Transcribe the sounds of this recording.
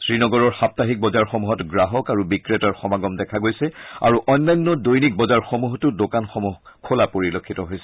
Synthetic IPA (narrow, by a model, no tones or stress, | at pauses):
sɹinɔɡɔɹɔɹxap̚taɦik̚bɔzaɹxɔmuɦɔtɡɹaɦɔkaɹubikɹetaɹxɔmaɡɔmdɛkʰaɡojsɛa̰ɹuʔɔjnːajnːɔdojnik̚bɔzaɹxomuɦɔtʊdokanxɔmuɦ | kʰolapoɹilokʰːitɔɦojsɛ̥